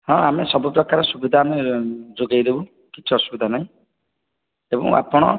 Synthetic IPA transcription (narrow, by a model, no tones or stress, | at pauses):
hɔ̃amesɔbupɾɔkaɾɔsubid̪ʱaned͡ʒoɡajd̪ebu | kit͡ʃʰiɔsubid̪ʱanaɦĩ | ebɔ̰̃ŋa̰pɔɽ̃ɔ̰